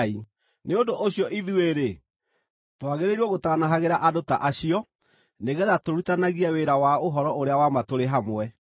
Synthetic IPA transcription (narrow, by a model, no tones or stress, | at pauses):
i | neondoʔoɕjɔʔiðueɾe | twaɣeɾeɾuɔɣotaːnaɦaɣeɾaʔadota̰ʔaɕiɔ | neɣɛðatoɾutanaɣiaweɾawaoɦɔɾɔoɾeawamatoɾeɦamwɛ